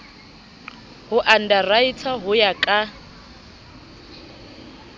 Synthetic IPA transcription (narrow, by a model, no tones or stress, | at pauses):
hʊʔan̩darait͡sʰaɦʊjakʼa